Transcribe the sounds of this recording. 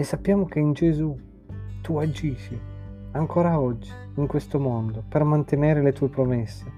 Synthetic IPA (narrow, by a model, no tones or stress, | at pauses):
esːapːjaːmok̟eind͡ʒezu | t̪uad͡ʒiːʃi | aŋkoːɾaɔd͡ʒːi | iŋkwest̪omɔnd̪opermant̪eneːɾelet̪uːepɾomesːe